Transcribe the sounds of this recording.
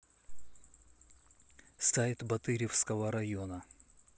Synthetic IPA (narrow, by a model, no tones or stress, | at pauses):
st̪ait̪bɐt̪ɨɾʲɪfskəvəɾɐjonə